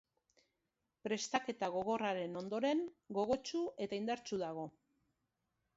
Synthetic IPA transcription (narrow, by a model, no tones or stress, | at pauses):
pɾe̞st̪ake̞t̪aɣ̞o̞ɣ̞o̞raɾe̞no̞nd̪o̞ɾe̞ŋɡo̞ɣ̞o̞t͡ʃue̞t̪aind̪aɾt͡ʃuðaɣ̞o̞